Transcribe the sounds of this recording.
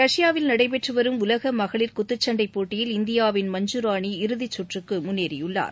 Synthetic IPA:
ɾɐʂɪjaːʋɪlnɐɽɐɪpɛʈrɯʋɐɾɯmʊlɐɣɐmɐɣɐɭɪɾkʊt̪ːɯt͡ʃːɐɳɖɐɪpːoːʈːɪjɪlɪnd̪ɪjaːʋɪnmɐɲd͡ʒuɾaːɳiɪɾɯðit͡ʃːɔʈrɯkːɯmʊnːeːɾɪjɯɭːa̰ːɾ

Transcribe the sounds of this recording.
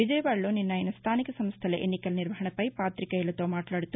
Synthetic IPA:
ʋid͡ʒɐjʋaːɭɭːuninːɐjinːɐst̪ʰaːnikɐsɐmst̪ʰɐleʔḛnːikɐlniɾʋɐɦɐɳɐpɐjpaːt̪ɾikɐilːɐt̪oːmaːʈlaːɽit̪ːu

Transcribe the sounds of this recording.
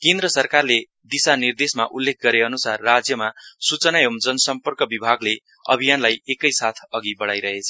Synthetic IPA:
kẽnd̪ɾʌsʌrkarle | d̪isanird̪esmaʔulːek̚ʰɡʌɾeʌnusarːad͡zjʌmasut͡sʌnajomd͡zʌnʌsʌmpʌrkʌbibʱaɡle | ʌ̰bʱijanlajekʌjsat̪ʰʌɡibʌɽajɾʌɦet͡sʰʌ

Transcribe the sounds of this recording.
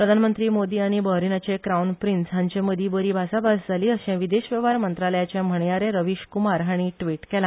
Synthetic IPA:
pɾəd̪ʱanmənt̪ɾiːmod̪iːaɽ̃ibəɦɾinat͡ɕekɾaunpɾinsɦãɲt͡ɕẽməd̪iːbəɾiːbʱasabasd͡zʱaliːəɕɛ̃ʋid̪eɕʋjəʋaɾmənt̪ɾaləjat͡ɕjãm̤əɳjaɾeɾəʋiɕkumaɾɦaɽ̃iʈʋiʈkɛlã

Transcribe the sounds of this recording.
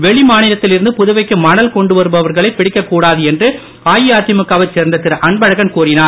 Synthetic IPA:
ʋɛɭɪmaːnɪlɐt̪ːɪlɪɾɯnd̪ɯpʊðʊʋɐɪkːɯmɐnɐlkɔɳɖɯʋɐɾɯbɐʋɐɾɣɐɭɐɪpːɪɽɪkːɐkːuːɽaːðɯɛndrɯ | aːjɪjaːt̪ɪmɐkːaːʋɐt͡ʃeːɾnd̪ɐt̪ɪɾɐʔɐɳbɐɻɐɣɐnkuːrɪnaːɾ

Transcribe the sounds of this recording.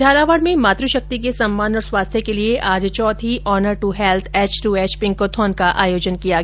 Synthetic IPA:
d͡ʒʱaːlaːʋəɽmẽmaːt̪ɾəʃɐk̚t̪ik̬esɐmːaːnɔːɾswaːst̪ʰjekelieʔaːd͡ʒt͡ʃɔːt̪ʰiʔɔːnəɾʈuɦɛːlt̪ʰɛːt͡ʃʈuɛːt͡ʃpɪ̃ŋkot̪ʰɔːnkaʔa̰ːjoːd͡ʒənkijaɡ

